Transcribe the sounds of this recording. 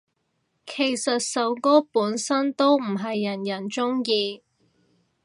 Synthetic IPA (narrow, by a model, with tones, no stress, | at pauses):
kʰe˨˩jsɐ˨t̚sɐ˨˥wkɔː˥puː˨˥nsɐ˥nt̪o˥wm̩˨˩ɦɐ˨jːɐ˨˩njɐ˨˩nt͡sʊ˥ŋjiː˧